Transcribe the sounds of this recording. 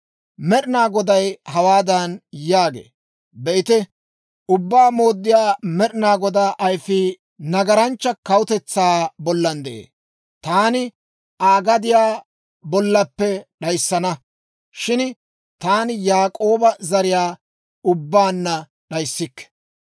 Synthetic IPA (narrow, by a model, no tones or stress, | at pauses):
mɛɗɪnaːɡɔd̪ɐjhɐwaːd̪ɐnjaːɡḛː | bɛʔɪt̪ɛ | ʔʊbːaːmo̞ːd̪ːɪjaːmɛɗɪnaːɡɔd̪aːʔɐjfɪ | nɐɡɐɾɐnt͡ʃːɐkɐwʊt̪ɛt͡sːaːbɔlːɐnd̪ɛʔḛː | t̪aːnɪ | ʔaːɡɐd̪ɪjaː | bɔlːɐpːɛɗɐjsːɐnɐ | ʃɪn | t̪aːnɪjaːkʼo̞ːbɐzɐɾɪjaː | ʊbːaːnːɐ | ɗɐjsːɪkːɛ̥